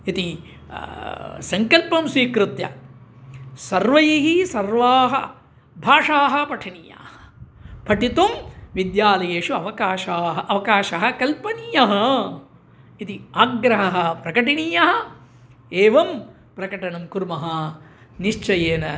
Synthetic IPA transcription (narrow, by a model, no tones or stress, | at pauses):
it̪i | sɐŋkɐlpɐmsʋiːkɾut̪jɐ̰ | sɐɾʋɐjiɦisɐɾʋaːɦɐ̰ | bʱaːʂaːɦɐpɐʈʰɐnija̰ːhɐ̥pɐʈit̪umʋid̪jaːlɐjeːʂuɐʋɐkaːʃaːɦɐʔɐʋɐkaːʃɐɦɐ̆kɐlpɐnijɐɦɐ̆ | it̪iaːɡɾɐɦɐɦɐ̆pɾɐkɐʈinijɐɦɐ̆ | eːʋɐm | pɾɐkɐʈɐnɐmkuɾmɐɦɐniʃt͡ʃɐjeːnɐ